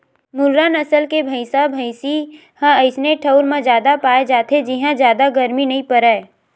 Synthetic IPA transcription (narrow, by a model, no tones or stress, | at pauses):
mʊlɾaːnəsəlkebʱəɪsabʱəɪsi | hãəɪsneʈʰəʊɾmẽd͡ʒjaːd̪apaːed͡ʒaːt̪ed͡ʒɪɦãd͡ʒjaːd̪aɡəɾminɐɦĩpəɾəː